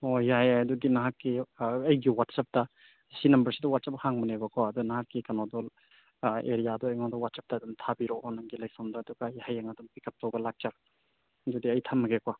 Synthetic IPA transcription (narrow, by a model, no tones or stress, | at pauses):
ojaɦajajɐdudinɐɦakːiɐjɡiwatsap̚tɐ | sinɐmbɐɾsidɔwat̚sap̚haŋmɐnebɐkʰɔɐdunaɦakːikanodɔl | ḛɾijadɔɐjŋɔdɔwat̚sap̚tɐdumtʰabiɾɔʔɔnaŋɡilajsɐmdɔːduɡɐjhajaŋɐdumbikʰɐp̚tobɐlak̚t͡ʃa | dudiɐjtʰamːɐɡekwa